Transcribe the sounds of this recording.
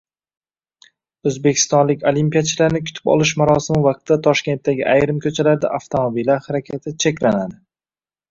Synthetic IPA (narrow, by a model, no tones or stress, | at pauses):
ɵzbe̞kʲʰɪ̥st̪ɒnlɪkʲolimpijat͡ʃʰɪlaɾnɪkʲʰʊ̥t̪ʰɪ̥pɒ̰lˠɪʃ̬maɾɒsɪmɪvɑq̚t̪ʰd̪at̪ʰɒʃkʲe̞nt̪ːaɡʲɪʔajɾɪmkʰʲɵt͡ʃʰalaɾd̪a̰ʔaft̪ʰomobilːaɾhaɾakʲʰat̪ʰɪt͡ʃʰekʲlanad̪ɪ